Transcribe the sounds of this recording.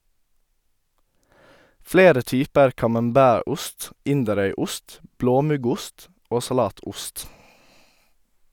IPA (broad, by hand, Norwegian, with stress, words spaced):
ˈfleːɾə ˈtyːpəɾ kɑmɑmˈbæːˌɾʊst ˈɪndəˌɾœʏˌʊst ˈbloːˌmʉɡʊst ˈoː sɑˈlɑːˌtʊst